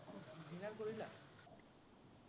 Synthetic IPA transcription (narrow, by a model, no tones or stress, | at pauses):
bʱinaɾkoɾila